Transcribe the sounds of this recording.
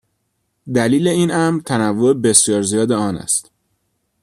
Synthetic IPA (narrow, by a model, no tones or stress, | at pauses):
d̪æliːle̞iːnæmɾt̪ʰænævːoebe̞sjɒːɾzijɒːd̪e̞ɒːnæ̰st̪